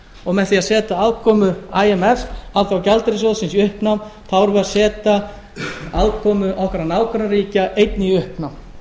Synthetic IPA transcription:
ɔɣmɛðθiaðsɛːt̪aaðkʰɔːmʏaːjɛmɛfalθawcalt̪ɾɪsoðsɪnsiʏhpnawmθʰawɾvɛaɾsɛːt̪a | aðkʰɔːmʏʔɔhkvɛɾanaːwkaɾaɾiːcaʔejt̪nɪʏhpnawm

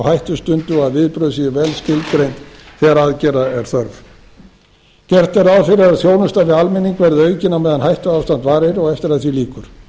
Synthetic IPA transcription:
whajht̪ʏst̪ʏnt̪ʏaðvɪðpɾœðʏsiðɪvɛlscɪlt̪kɾejnt̪θɛɣaɾaðcɛːraɛɾ̥θœɾv | cɛr̥t̪ɛɾaðfɪɾɪaðθjoːwnʏst̪avɪalmɪnːiŋkvɛɾðʏœːɥcɪnːamɛːðanhajht̪ʏawfst̪ant̪vaːɾɪɾɔɣɛft̪ɪɾaðθviliːkʏɾ̥

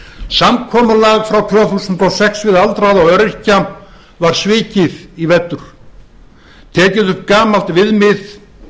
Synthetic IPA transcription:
samkʰɔːmalaɣfɾawt̪ʰvœːθusʏnt̪ɔwsɛksvɪðalt̪ɾaðawœɾɪɾ̥cam | vaɾ̥svɪːcɪðivɛt̪ːʏɾ̥ | t̪ʰɛːcɪðʏhpkaːmal̥t̪vɪðmɪð

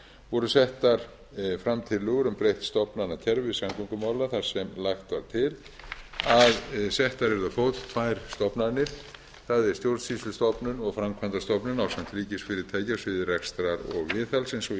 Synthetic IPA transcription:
vɔɾʏsɛht̪aɾ̥ | fɾamt̪ʰɪlːʏːɣʏɾʏmpɾejht̪st̪ɔpnanac̪ʰɛɾvɪsamkʰuŋkʏmawlaθaɾ̥sɛmlaxt̪vaɾ̥t̪ʰɪl | aðsɛht̪aɾɛɾðʏfowt̪t̪ʰvajɾ̥st̪ɔpnaɾnɪɾ̥ | θaðɛɾ̥st̪jowɾt̪sislʏst̪ɔpnʏnɔɣfɾamkʰvant̪ast̪ɔpnʏnawsam̥t̪ɾiːcɪsfɪɾɪɾt̪ʰaːjcasvɪðɪrɛkst̪ɾaɾɔ̰ɣvɪːθalsɛnsɔ

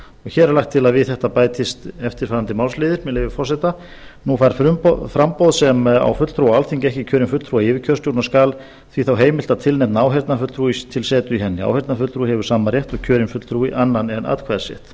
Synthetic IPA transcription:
ɔɣçɛːɾlaxt̪ʰːɪlaðvɪθɛht̪apaːjt̪ɪst̪ɛft̪ɪɾ̥faːɾant̪ɪmawlslɪːðɪɾmɛleːvɪfɔr̥sɛt̪a | nufaɾffɾampowðsɛma̰wfʏt̪l̥θɾuwaalθiŋcɛhcɪcʰœːɾɪnfʏt̪θʰɾuajɪːvɪcʰœɾst̪jowt̪naskaːl | θviθawɦeːjmɪl̥t̪aðt̪ʰɪlnɛht̪naaːwɦɛɾt̪nafʏt̪lθʰɾuːist̪ʰɪlsɛːt̪ʏiɦɛnːɪa̰whɛɾt̪nafʏt̪lθɾuːhɛvʏɾ̥saːmaɾjɛht̪ɔcʰœːɾɪnfʏt̪l̥θʰɾuːɪʔanːanɛnʔa̰ðkʰvaːðsɛ̰ht̪

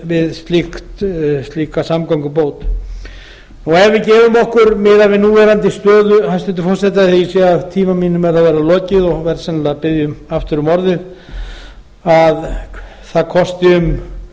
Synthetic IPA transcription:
vɪðst̪lɪkt̪st̪lihkasamkawŋkʏpoːwt̪ | ɔɣɛvɪcɛːvʏmɔhkʏɾmɪðavɪnuːvɛːɾant̪ɪst̪œːðʏhanst̪ʏnt̪ɪfɔr̥sɛt̪aθiisɛɣaðt̪ʰiːmamiːnʏmɛɾ̥θaðvɛːɾalɔːcɪðɔɣvɛɾsɛnlapɪðjʏmaft̪ɪɾʏmɔɾðɪð | að | θaðkʰɔst̪ɪʏm

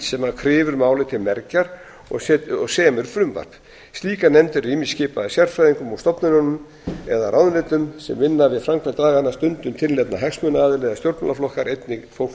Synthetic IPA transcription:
sɛmakʰɾɪːvʏɾmaːwlɪt̪ʰɪlmɛɾcaɾ̥ | ɔ̰sɛɔɣsɛːmɛɾfɾʏmva̰r̥p | st̪liːkanɛmt̪ɪriːmiscɪːpaðɪsjar̥fɾajðiŋkʏmawst̪ɔpnʏɾɔnʏm | ɛðarawðlɛːt̪ʏmsɛ̰mːɪnːavɪðfɾamkʰvat̪aːɣanːast̪ʏnt̪ʏmt̪ʰɪllːɛt̪na̰ɦɛksmœnaaːðɪlɛːðast̪jowɾt̪na̰laflɔhkaɾejt̪nɪfow

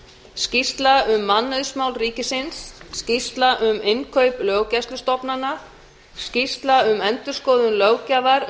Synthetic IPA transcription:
scist̪laʏmːanːœðsmawlriːcɪsɪnsːcist̪laʔʏmɪnkʰœɥplœːɣcast̪lʏst̪ɔpnanːa | scist̪laʏmɛnt̪ʏɾ̥skɔːðʏnlœːwcavaɾ

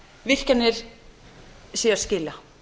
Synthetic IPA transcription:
vɪr̥canːɪɾ̥ | siːaɾ̥scɪːla

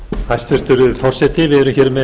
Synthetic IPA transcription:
hajst̪ɛɾ̥t̪ʏɾʏfɔr̥sɛt̪ɪvɛðɾʏmçɛːɾʏmːɛ

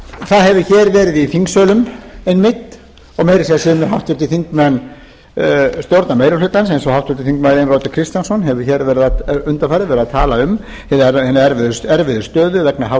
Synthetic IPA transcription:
θaðɦɛvʏçɛːɾvɛːɾɪðifiŋksœːlʏmɛnmɪt̪ | ɔɣmeːjɾɪsiðasɪmɦawft̪ɪt̪ɪθiŋkmɛnː | st̪jowɾt̪nameːjɾafɪt̪ansensɔhawft̪fɪt̪ɪθiŋk̪majɾɪnroːwt̪akʰɾɪst̪jansɔnɦɛvʏ̥çɛːɾvɛːɾɪðaʏnt̪afajɾɪvɛɾɪðaðt̪ʰaːlaʏm | hɛɛhɛnːaɛɾvɪðʏsɛɾvɪðʏ̥st̪œːðʏvɛknaɦaw

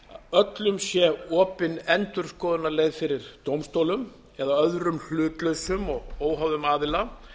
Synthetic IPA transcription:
œt̪lʏmsjɛɔːpɪnɛnt̪ʏɾ̥skɔːðʏnːaɾlejɣðfɪɾɪɾt̪owmst̪oːwlʏm | ɛðaœðɾʏml̥ʏːt̪lœɥsʏmɔɣoːwɦawðʏmaːðɪla

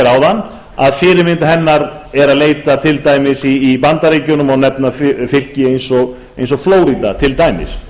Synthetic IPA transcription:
ɾawðanː | aðfɪːɾɪɾmɪnt̪aɦɛnːaɾ | ɛɾaðleːjt̪at̪ʰɪlt̪aːjmɪsiːpant̪aɾeːjcʏnʏmɔɣnɛpnaffɪl̥cɪejnsɔɣ | ejnsɔɣfloːwɾit̪at̪ʰɪlt̪aːjmɪ̰s

